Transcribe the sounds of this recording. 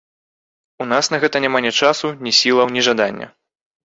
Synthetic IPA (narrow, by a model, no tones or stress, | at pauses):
unasnɐɣɛt̪ɐnʲamanʲɛt͡ʂasunʲisʲilˠɐwnʲiʐad̪anʲːɐ̰